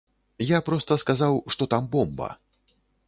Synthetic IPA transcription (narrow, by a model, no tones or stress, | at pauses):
japɾɔst̪ɐskazawʂt̪ɔt̪ambɔmbɐ̰